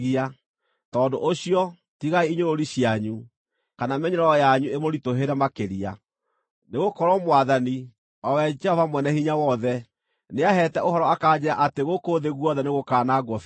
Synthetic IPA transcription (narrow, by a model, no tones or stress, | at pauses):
ia | tɔːdoʔoɕiɔ | tiɣaiiɲoɾoɾiɕjaɲu | kanamɛɲɛɾɔjaɲuemoɾitoɦeɾɛmakeɾia | neɣokɔɾɔmwaðani | ɔwɛd͡ʒɛhɔvamwɛnɛhiɲawɔðɛ | neaɦɛtɛʔoɦɔɾɔakaːd͡ʑeɾaʔateɣokoðeɣwɔðɛneɣokaːnaɡɔf